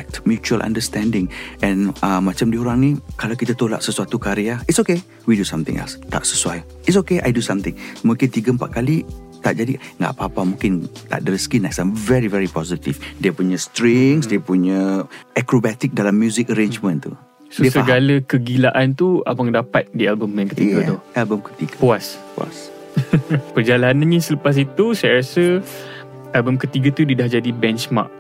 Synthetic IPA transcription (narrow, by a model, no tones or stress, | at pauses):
ɛk̚t̪mjut͡ʃuəlʔã̰ndəst̪ɛ̃ndɪŋʔɛ̃nəmãt͡ʃamdiuɾaŋnikalawkit̪at̪ola̰ʔsəsuat̪ukaɾiaitsoke | widusamt̪ɪ̰ŋʔɛ̰lst̪a̰ʔsə̥suaj | itsokeʔa̰jdusamt̪ɪŋmũŋkɪnt̪iɡəm̩pa̰ʔ̪̚kali | t̪aʔd͡ʒadiŋɡa̰ʔpaːpamũŋkɪnt̪a̰ʔdəɾiskinɛksamvɛɾivɛɾipɔzit̪ḭfdiəpuɲəst̪ɾiŋsdiəpuɲəʔɛkɾobat̪ik̚dalamːjuzɪkəɾend͡ʒmə̃nt̪u | sdoiəsəɡaləkəɡilaʔant̪ua̰lbaŋdapat̪̚dialbəmanŋkət̪iɡat̪ualbəmkə̥t̪iɡapuaspua̰s | pərd͡ʒalanãnɲasələpas̬it̪usajɾasə | albəmkət̪iɡat̪udidahd͡ʒadibɛnt͡ʃma̰k̚